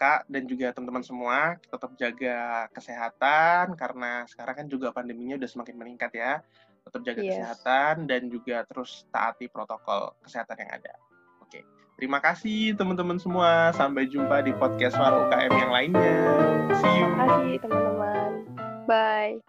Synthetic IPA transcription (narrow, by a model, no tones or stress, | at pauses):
kaʔdand͡ʒuɡat̪əmant̪əmansəmuakt̪ət̪əp̚d͡ʒaɡakəseɦat̪ankaɾənasə̥kaɾaŋkand͡ʒuɡapandəmiɲaudahsəmakɪnməniŋkat̪ja | t̪ət̪əp̚d͡ʒaɡakəseɦat̪andand͡ʒuɡat̪əɾʊst̪a̰ʔa̰t̪ipɾot̪okɔ̰lkə̥seɦat̪anja̰ŋa̰da̰ | okḛ | t̪əɾimakasɪht̪əmənt̪əmənsəmuasampajd͡ʒumpadipɔd̪̚kɛstːaɾaukaʔɛmjaŋlaɪnɲaasiakasit̪əmant̪əman | baj